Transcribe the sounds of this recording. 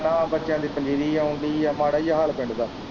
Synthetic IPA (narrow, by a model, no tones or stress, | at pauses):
nãːbətːʃjãːd̪iːpənd͡ʒiːɾiːãːʊnd̪iːjaːmaːɽaːijaɦaːlpɪ̃ɳɖd̪aː